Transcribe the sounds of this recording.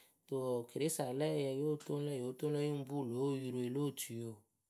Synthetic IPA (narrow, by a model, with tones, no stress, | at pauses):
to˨ki˨ɾi˦sa˨lɛ˦˨jɛ˧jo˦to˦n˦lɛ˦˨jo˨˦to˦lɛ˦ji˦m̩˦bu˦˨lo˨˦ji˧ɾu˨e˨lo˦˨tu˨jo˨